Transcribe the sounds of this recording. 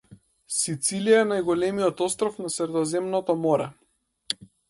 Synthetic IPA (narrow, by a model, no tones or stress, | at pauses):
sit̪silijaɛnajɡɔlɛmiɔt̪ɔst̪ɾɔfnasɾɛd̪ɔzɛmnɔt̪ɔmɔɾɛ